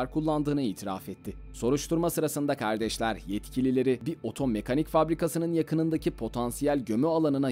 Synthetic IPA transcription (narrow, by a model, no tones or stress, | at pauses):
aɾkʰulˠːand̪ɯːnɯiːt̪ʰiɾa̰fɛt̪ʰːɪ | so̞ɾuʃt̪ʰuɾmasɯɾasɯnd̪akʰaɾd̪ɛʃlʲæɾjɛt̪cʰilʲilʲe̞ɾɪbiʔo̞t̪ʰo̞me̞kʰanicfabɾikʰasɯnɯnjakʰɯnɯnd̪acʰipʰo̞t̪ʰansijælʲɟø̞myalˠanɯna